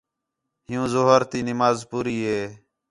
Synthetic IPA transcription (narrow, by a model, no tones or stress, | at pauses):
ɦɪjũːzoːɦəɾt̪iːnɪmaːzpuːɾiːɦeː